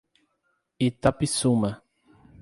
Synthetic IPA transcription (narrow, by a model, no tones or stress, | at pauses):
it̪apisumɐ